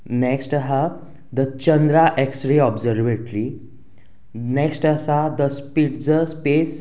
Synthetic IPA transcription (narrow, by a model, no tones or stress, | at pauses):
neksʈəɦa | d̪ət͡ɕənd̪ɾaʔeksʈɾeɔbzəɾʋeʈɾi | neksʈəsad̪əspiʈd͡zəspes